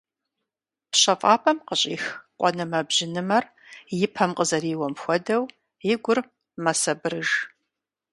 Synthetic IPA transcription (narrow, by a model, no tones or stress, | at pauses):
pɕɐfʼaːpʼɐmqəɕʼiːxqʷɔnɨmɐbʒɪnɨmɐr | jɪpʰɐmqəzɐriːwɔmxʷɔdɐw | ɪɡʷʊr | mɐsɐbrɨʒ